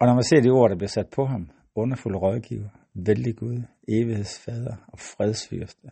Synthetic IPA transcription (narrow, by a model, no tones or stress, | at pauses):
ɒ̽nɒmænse̝ɐd̥io̝ɐ̰ɾɑ̈b̥liɐsæd̥̚pʰɒ̽ɦɑ̈m | ɔ̽nɐfuləʁɒðˠɡ̥ḭʊɐ | ʋeld̥iɡ̥uð̞ˠ | e̝ːʋihe̝ð̰ˠsfɛːð̞ˠʁɐɒ̽fʁɛð̞ˠsfy̰ɐsd̥ə